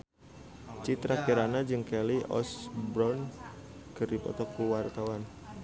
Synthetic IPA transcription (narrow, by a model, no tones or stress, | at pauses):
t͡ʃit̪ɾakiɾanad͡ʒɨŋkɛliʔɔ̰sbɾɔn | kərdipɔ̰t̪ɔkuwart̪awan